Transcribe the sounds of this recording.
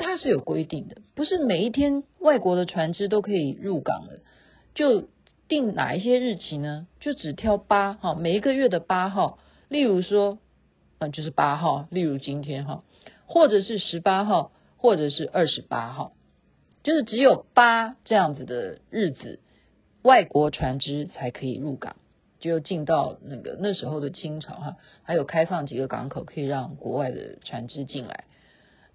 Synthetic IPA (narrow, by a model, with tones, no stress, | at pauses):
t̪ʰa˥ʂɻ̩˥˩jo˨˩ʊkwe˥ɪt̪i˥˩ŋd̪ə˩pu˧˥ʂɻ̩˥˩me˨˩ɪi˥˩t̪ʰjɛ˥nwa˥˩ɪkwɔ˧˥d̪ə˧ʈ͡ʂʰwa˧˥nʈ͡ʂɻ̩˥t̪̬o˥ʊkʰɤ˧˥ḭ˨˩ɻu˥˩kɑ̰˨˩ŋd̪ə̰˦ | t͡ɕjo˥˧ʊ | t̪i˥˩ŋna̰˨˩i˥˩ɕ̬jɛ˥ɻ̩˥˩t͡ɕʰi˧˥nə˧t͡ɕjo˥˩ʊʈ͡ʂɻ̩˨˩t̪ʰjɑ˥ʊpa˥xɔ˥˧me˨˩i˧˥ɡə˧ɥɛ˥˩d̪ə˩pa˥xɑ˥˩ʊ | li˥˩ɻu˧˥ʂwɔ˥ | ə˥˧t͡ɕjo˥˧ʊʂ̬ɻ̩˥˩pa˥xɑ˥˩ʊli˥˩ɻu˧˥t͡ɕi˥nt̪ʰjɛ˥nxɑ˥˩ʊ | xwɔ˥˩ʈ͡ʂɤ˨˩ʂɻ̩˥˩ʂɻ̩˧˥pa˥xɑ˥˧ʊ | xwɔ˥˩ʈ͡ʂɤ˨˩ʂɻ̩˥˧ʔə˞˥˩ʂɻ̩˧˥pa˥xɑ˥˩ʊ | t͡ɕjo˥˧ʊʂɻ̩˥˩ʈ͡ʂɻ̩˧˥jo˨˩ʊpa˥ʈ͡ʂɤ˥˧jɑ˥˩ŋd͡z̩˨˩d̪ə˩ɻ̩˥˩d͡z̩̰˨˩ | wa˥˩ɪkwɔ˧˥ʈ͡ʂʰwa˧˥nʈ͡ʂɻ̩˥t͡sʰa˧˥ɪkʰɤ˧˥ḭ˨˩ɻu˥˩kɑ̰˨˩˦ŋ | t͡ɕjjo˥˧ʊt͡ɕi˥˧nt̪ɑ˥˧ʊna˥˩ɡə̰˩na˥˩ʂɻ̩˧˥xo˥˩ʊd̪ə˩t͡ɕʰi˥ŋʈ͡ʂʰɑ̰˨˥ʊxa˥˩ | xa˧˥ɪjo˨˩ʊkʰa˥ɪfɑ˥˩ŋt͡ɕi˨˩ɡə˦kɑ̰˧˥ŋkʰo˨˩ʊkʰɤ˧˥i˨˩ɻɑ˥˩ŋkwɔ̰˧˥wa˥˩ɪd̪ə̰˩ʈ͡ʂʰwa˧˥nʈ͡ʂɻ̩˥t͡ɕi˥˩nla̰˧˥˦ɪ